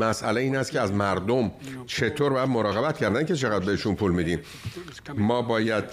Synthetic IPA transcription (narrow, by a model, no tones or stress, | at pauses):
mæsæleiːnæst̪̚cʰeæzmæɾd̪omt͡ʃʰe̞t̪ʰoːɾbɒːjæd̪moɾɒːɣe̞bæt̪̚cʰæɾd̪æncʲʰe̞t͡ʃʰe̞ɣæd̪̚be̞heʃunpʰuːlmiːd̪in | mɒːbɒːjæd̪̥̚